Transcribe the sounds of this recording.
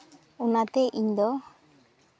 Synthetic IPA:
unat̪ɛʔiɲd̪ɔ

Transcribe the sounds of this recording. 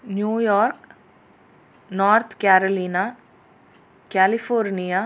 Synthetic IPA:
njuːjɔːɾk | nɔːɾt̪ʰkɛːɾoliːna | kɛːlipʰoːɾnija

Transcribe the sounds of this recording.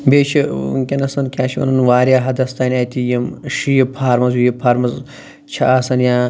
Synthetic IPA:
beːt͡ʃʰḭkʲɐnɐsɐnkʰʲaːʃʰiʋɐ̰nɐnʋaːɾjaːɦɐd̪ɐst̪aːnʲaːt̪ijɐmʃijɐpʰaːɾmɐzijɐpʰaːɾmɐz | t͡ʃʰɐɐsɐnjaː

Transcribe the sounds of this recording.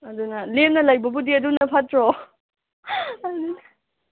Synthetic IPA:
ɐdunɐlemnɐlajbɐbudiɐdunɐpʰatɾɔ | ɐnunɐ

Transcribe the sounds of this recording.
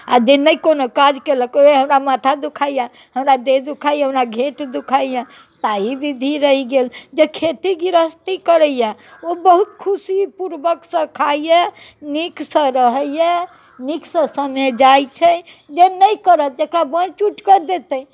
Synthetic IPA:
a̰d͡ʒenəikonokad͡ʒkeləkoeɦəmɾamat̪ʰad̪ukʰaija | ɦəmɾad̪ed̪ukʰaijɦəmɾaɡʱeʈd̪ukʰajã | t̪aibid̪ʱiɾəɦiɡeld͡ʒekʰet̪iɡiɾəst̪ikəɾəijaobəɦut̪kʰusipuɾbəksə̃kʰaijɛ | niksə̃ɾəɦəjɛ | niksə̃səmɛd͡ʒajt͡ʃʰɛ | d͡ʒenəjkəɾət̪̚ekɾabə̃nt͡ʃuʈkəɾd̪et̪ə

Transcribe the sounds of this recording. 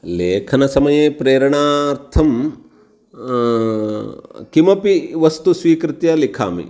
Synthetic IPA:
leːkʰɐnɐsɐmɐjeːpɾeːɾɐɳaːɾt̪ʰɐm | kimɐpiʋɐst̪usʋiːkɾɪt̪jɐlikʰa̰ːmḭ

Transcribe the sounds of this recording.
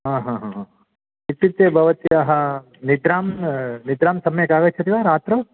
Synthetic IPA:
ɦãːɦãːɦãɦã | ʋit̪ːit̪jebʱɐʋɐt̪iɐɦɐ | nid̪ɾaːmnid̪ɾaːmsɐmɐjɐkaːɡɐt͡ʃʰɐt̪iʋaɾaːt̪ɾɐ

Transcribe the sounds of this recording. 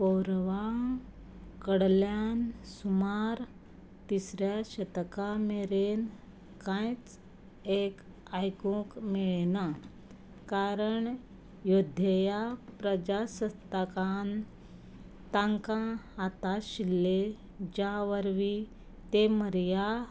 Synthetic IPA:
powɾʋa | kəɽljansumaɾ | t̪isɾjaɕət̪kameɾen | kãjt͡s | ek | ajkũkmiɭna | kaɾəɳ | jod̪ʱjəjapɾəd͡ʑasət̪əkan | t̪ãŋkãːt̪aɕilːe | d͡ʑaʋəɾʋi | t̪eməɾja

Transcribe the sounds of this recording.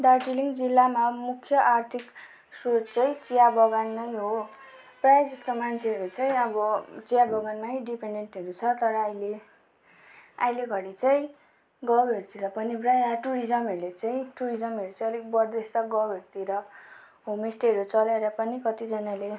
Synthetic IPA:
ɖarʈiliŋɡd͡zilːamamukʰːjʌʔart̪ʰik | sodt͡sʌĩt͡sijabʱʌɡanːʌjɦo | prajd͡zʌst̪ʌmant͡sʰeʌɾut͡sʌĩʌbʌt͡sijabʱʌɡanmaɦiɖipeɳɖeɳʈɦeɾut͡sʰʌt̪ʌɾʌːjle | a̰jleɡʱʌɽit͡sʌĩ | ɡʌbeɾt̪iɾʌpʌniprajaʈuɾid͡zʌmɦeɾulet͡saĩʈuɾid͡zʌmeɾut͡sʌ̃ʌlikbʌrd̪est̪ʌɡʌwɦeɾt̪iɾʌ | ɦomesʈʌɾut͡sʌleɾʌpʌnikʌt̪id͡zʌnale

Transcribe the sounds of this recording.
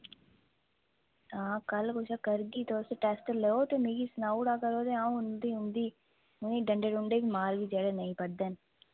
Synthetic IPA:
ãːkɐlkoːt͡ʃakɐɾɡit̪oːɾseʈeːsʈəleːot̪omeːɡisnaːuʈaːkɐɾoːd̪eãːũʊnd̪iːʊ̃nd̪iː | ʊnĩɖɐ̃ɳɖeɽʊɳɖebimaːɾbid͡ʒɛːɽenɐɦĩpɐɽd̪ẽːn

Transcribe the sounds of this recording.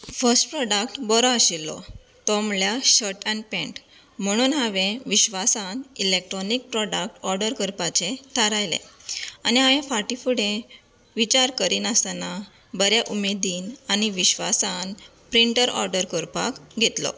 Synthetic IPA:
fəɾsʈpɾɔɖak̚ʈbɔɾɔaɕilːɔ̰ | t̪ɔmljaɕəʈanpɛ̃ɳʈ | m̤əɽ̃uːnɦaʋẽʋiɕʋasanilek̚ʈɾɔnik̚pɾɔɖak̚ʈɔɾɖəɾkəɾpat͡ɕet̪ʰaɾajlḛaniɦaʋẽfaʈifuɽẽ | ʋit͡ɕaɾkəɾiːnəst̪ana | bəɾjaʔumed̪iːnañiʋiɕʋa̰san | pɾiɳʈəɾɔ̰ɾɖəɾkəɾpa̰kɡʱet̪lɔ̰

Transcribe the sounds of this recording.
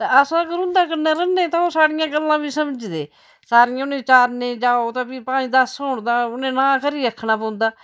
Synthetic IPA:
t̪eːəsãːəɡəɾʊ̃nd̪aːkəɾnaːɾənːeːt̪ãːõːsaːɽɪjãːɡəlːãːbiːsəməd͡ʒd̪ḛː | saːɾɪjãːʊnẽːt͡ʃaːɾnẽːd͡ʒaːoːt̪ãːpiːpãːĩːd̪əsɦoːɳd̪aːʊnẽːnãːkəɾiːɾəkʰːnaːp̬ə̃ːʊnd̪aː

